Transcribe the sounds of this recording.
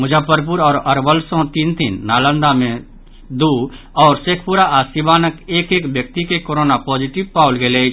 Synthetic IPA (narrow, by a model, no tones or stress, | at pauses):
mʊd͡ʒʱəpəɾp̬uɾɔːɾɐɾʋəlsɔ̃t̪iːnt̪inːaːlə̃nd̪amẽ | d̪u | ɔːɾseːkʰpuɾaasibaːnəkeːkeːkbjək̚t̪ikekoːɾoːnapɔːd͡ʒiʈɪbpaːʊlɡele